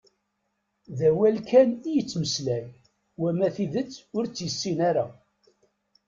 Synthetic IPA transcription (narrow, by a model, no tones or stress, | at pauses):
ðæwælkænijət͡sːməslæj | wæmæθiðət͡sːʊɾt͡sːjəsːinaɾa